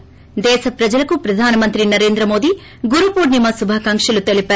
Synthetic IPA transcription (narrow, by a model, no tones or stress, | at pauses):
d̪ɛːsɐpɾɐd͡ʒɐlɐkupɾɐd̪ʱaːnɐmɐnt̪ɾinɐɾe̞ːnd̪ɾɐmo̞ːd̪i | ɡuɾupuːɾnimɐsubʱɐkaːŋkʂɐlut̪elipæː